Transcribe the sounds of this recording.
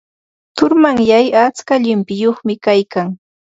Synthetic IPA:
t̪ʊɾmaŋjajat͡skaʎɪmpɪjoχmɪkajkaŋ

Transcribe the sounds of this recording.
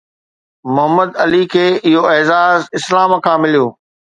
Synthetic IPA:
mʊɦəmːəd̪ɐlikʰeːɪɦoɛːzaːzɪslaːmkʰãːmɪlijoː

